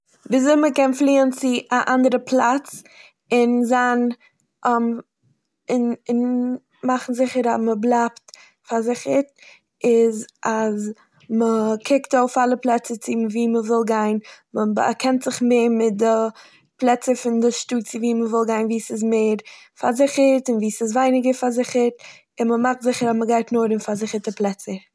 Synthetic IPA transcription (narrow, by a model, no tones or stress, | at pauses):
viːzoɪməkɛnflˠiːənt͡sɪʔaʔandəɾəpʰlˠat͡s | ɪnzan | m | ɪnɪn | maχn̩zɪχəɾa̰məblˠapt | fazɪχəɾ | ɪzʔaz | məkʰɪktoʊfalˠəplˠɛt͡sət͡sɪmviːməvɪlˠɡaɪnməba̰kʰɛntz̥ɪχmeːɾmɪt̚dɪ | plˠɛt͡səɾfɪndɪʃtuːt͡sɪviːməvɪlˠɡaɪnviːsɪzmeːɾfaɾzɪχəɾtɪnviːsɪzvaɪnɪɡəɾfaɾzɪχəɾt | ɪnməmaχtzɪχəɾazməɡaɪtnoːɾəmfazɪχəɾtəplˠɛt͡sə